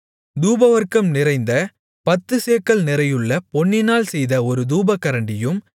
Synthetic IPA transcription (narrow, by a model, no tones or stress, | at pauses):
d̪uːbɐʋɐɾkɐmnɪɾɐɪnd̪ɐ | pɐt̪ːɯseːkːɐɭnɪɾɐjɯɭːɐpɔɳːɪnaːlsɛjðɐɔɾɯd̪uːbɐkːɐɾɐɳɖɪjɯm